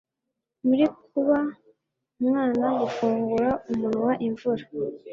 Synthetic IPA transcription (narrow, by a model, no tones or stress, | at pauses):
muɾikuβa | umŋaːnaɡufuːŋɡuɾaumunwaʔiɱvuɾa